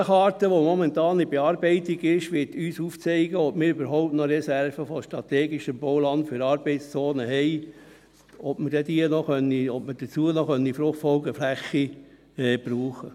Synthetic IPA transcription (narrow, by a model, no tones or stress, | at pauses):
χɑːɾtəʋomɔmɛntɑːnibeɑːɾbɛɪtiɡɪʃʋɪtyːsuft͡sɛɪɡəɔpmɪːɾybəɾɦɔʊp̚tnɔɾɛsæɾfəfɔʃtɾɑt̪eːɡiʃəmbɔwlɑndfyɾɑːɾbɛɪst͡soːnəɦɛɪ | ɔpməd̥ɛd̪iənɔχœnːiɔpməd̥ət͡suənɔχœnːifɾʊχtfɔlɡəflæχːi | ɛːbɾuːχə